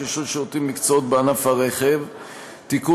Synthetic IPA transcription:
eʃoʃeot̪imːikt͡soot̪̚beanafhaʁeχe̞v | tiku

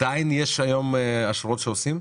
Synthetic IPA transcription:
d̥ainjeʃajo̞meaʃuʁot̪ʃeosim

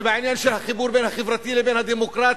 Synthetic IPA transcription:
baʕiːnjanʃɪɾhæxʊbuːɾbeːnhæxɪfɾˤɑt̪iːlɪbeːnhæd̪iːmʊkɾˤɑːt̪

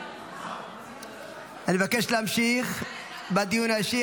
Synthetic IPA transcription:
animevakeʃleamʃiχ | bad̪ijunaeʃi

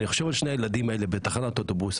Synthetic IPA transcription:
niχoʃe̞valʃneajelad̪imae̞lebet̪aχanatot̪obus

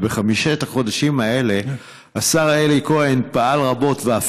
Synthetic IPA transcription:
beχamiʃetaχo̞daʃimae̞le̞ | asaʁeliko̞e̞npaalʁabo̞tveaf

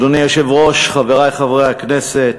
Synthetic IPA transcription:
donijoʃevʁoʃχaveʁajχavʁeakneset̪

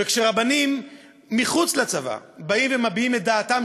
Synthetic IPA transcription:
vekʃeʁabanimː | iχut͡slat͡sava̰baimvemabiimet̚d̪aːt̪am

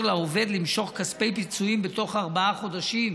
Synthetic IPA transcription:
laove̞d̪limʃo̞χkaspe̞jpit͡suimbet̪o̞χaʁbaaχo̞d̪aʃim

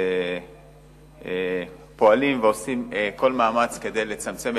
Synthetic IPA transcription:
po̞alimveo̞simeko̞lmaːmat͡ske̞de̞jle̞t͡samt͡se̞m

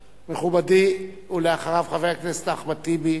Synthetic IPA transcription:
meχubad̪i | uleaχaʁavχaveaknestaχbat̪ibi

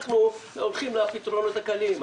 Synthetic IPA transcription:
χnuolχimlapit̪ʁonot̪akalim

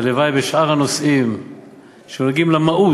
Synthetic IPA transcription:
levajbeʃʔaʁanosim | ʃemolɡimlamaʔu

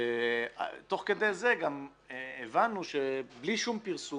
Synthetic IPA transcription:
ea̰t̪o̞χked̪ejzeɡamː | vanuʃebliʃumpiʁsu

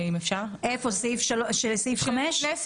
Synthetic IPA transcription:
imefʃaʁʔefosifʃalʃelsifχameʃ

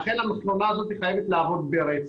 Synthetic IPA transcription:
χe̞namaχlonaːzo̞t̪iχaje̞vet̪laːvo̞d̪beɾet͡s

